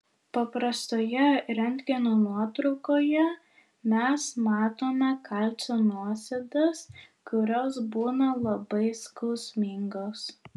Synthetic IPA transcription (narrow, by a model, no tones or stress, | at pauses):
pɐpɾɐst̪oːjɛɾʲɛnʲt̪ʲɡʲɪnoːnuɔt̪ɾɔʊkoːjɛ | mʲɛsmɑːt̪oːmʲɛkʰɐlʲsʲoːnuɔsʲɛd̪ɐs | kʊɾʲoːsbuːnɐlˠɐbɐɪskɐʊsʲmʲɪŋɡoːs